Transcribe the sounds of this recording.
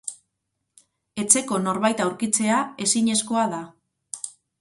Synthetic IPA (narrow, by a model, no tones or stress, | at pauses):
e̞t͡se̞ko̞no̞ɾβajt̪awɾkit͡se̞ae̞siɲe̞sko̞aða